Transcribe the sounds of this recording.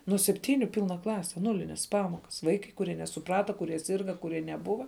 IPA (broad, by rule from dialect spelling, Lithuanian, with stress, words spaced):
nuɔ sʲɛpʲˈtʲiːnʲʊ ˈpʲiːlˠnɐ ˈklˠɑːsʲɛ ˈnuːlʲɪnʲeːs ˈpɑːmoːkɐs ˈʋɐɪkɐɪ kʊˈrʲiɛ nʲɛsʊˈprɑːtɐ kʊˈrʲiɛ ˈsʲiːrɡɐ kʊˈrʲiɛ nʲɛˈbʊʋɐ